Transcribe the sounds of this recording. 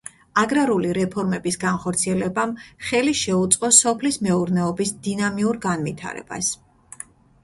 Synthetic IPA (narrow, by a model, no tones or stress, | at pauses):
aɡɾaɾuliɾɛpʰɔɾmɛbisɡanχɔɾt̪sʰiɛlɛbamχɛliʃɛut̪sʼqʼɔsɔpʰlismɛuɾnɛɔbisd̪inamiuɾɡanvit̪ʰa̰ɾɛ̰ba̰s